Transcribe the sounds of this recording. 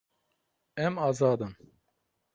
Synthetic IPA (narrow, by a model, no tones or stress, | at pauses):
ɛmɑːzɑːd̪ɨm